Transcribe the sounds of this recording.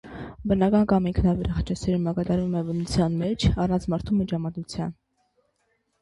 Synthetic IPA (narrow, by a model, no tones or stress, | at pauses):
bənɑkɑnkɑmiŋkʰnɑbɛɾɑχɑt͡ʃʰɑsɛɾumɑkɑd̪ɑɾvumɛvənut͡sʰjɑnmɛt͡ʃʰɑrɑnt͡sʰmɑɾt̪ʰumid͡ʒɑmɑt̪ut͡sʰjɑn